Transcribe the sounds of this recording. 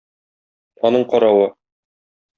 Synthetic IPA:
ɒnɤɴqɒɾɑwɤ

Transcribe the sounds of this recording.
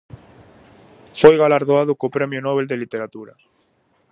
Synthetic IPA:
fojɣalaɾðoaðʊkopɾɛmjʊnɔβ̞eld̪elit̪eɾat̪uɾɐ

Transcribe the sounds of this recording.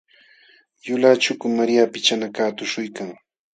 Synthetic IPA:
jʊlat͡ʃʊkʊmaɾjapɪt͡ʃanakaːt̪ʊʃʊjkaŋ

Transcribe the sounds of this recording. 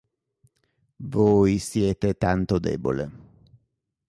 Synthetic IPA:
voːjsjɛːt̪et̪ant̪od̪ɛ̰ːbo̰lḛ

